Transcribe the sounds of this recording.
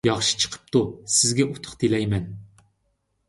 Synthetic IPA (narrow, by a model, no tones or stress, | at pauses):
jɑχʃi̥t͡ʃʰə̥qʰə̥p̚t̪ʰusɪzɡʲɛʔut̪ʰʊ̥χt̪ʰelɛjmɛn